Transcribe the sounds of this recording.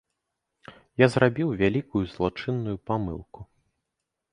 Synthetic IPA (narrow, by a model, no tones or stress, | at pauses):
jazɾabʲiwvʲalʲikujuzlˠɔt͡ʂɨnːujupamɨ̰lˠku